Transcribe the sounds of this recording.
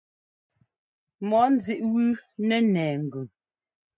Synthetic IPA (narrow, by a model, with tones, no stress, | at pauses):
mɔ˨˦n̩˦zi˦˨ʔwʉ˦nɛ˦nɛː˨ŋ̩˨ɡʉ˨ŋ